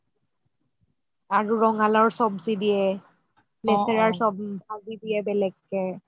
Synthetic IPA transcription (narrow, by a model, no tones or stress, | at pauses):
aɹuɹɔŋalɔɹsɔbsidijɛ | lɛsɛɹaɹsɔb̚bʱaɡidijɛbɛlɛkːɛ